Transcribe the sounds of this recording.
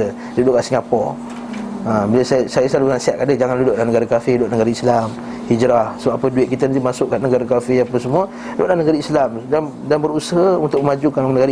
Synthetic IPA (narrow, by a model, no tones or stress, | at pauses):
ə | dudoʔkaʔsiŋapɔ̰ | əbiləsasajəsəlaluansiaʔ̪̚kadəhd͡ʒaŋanludoʔlanəɡaɾakafɪduaʔnəɡaɾaislam | hid͡ʒɾahsəbaʔpəduɪʔ̪̚kit̪ənt̪umasʊʔkaʔnəɡaɾakafɪhapəsəmuə | da̰ʔdlanəɡaɾaislamdan | danbəɾusəɦəunt̪ʊk̚məmad͡ʒukanŋnəɡaɾa